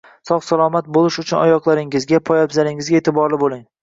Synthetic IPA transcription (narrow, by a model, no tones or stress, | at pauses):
sɒχsalˠɒmat̪̚bolɪʃʊt͡ʃʰʊnɒjɒqlˠaɾɪŋɪzɡʲapʰɒjabzalɪŋɪzɡʲaet̪ʰɪbɒɾlɪbolˠɪŋ